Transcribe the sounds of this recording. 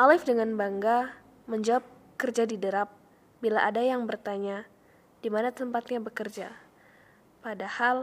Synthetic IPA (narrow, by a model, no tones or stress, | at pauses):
ʔalɪfdəŋanbaŋɡa | məɲd͡ʒawap̚ | kərd͡ʒadidəɾap̚ | bilaʔadajaŋbərt̪aɲa | d̥imanat̪əmpat̪ɲabəkərd͡ʒa | padahal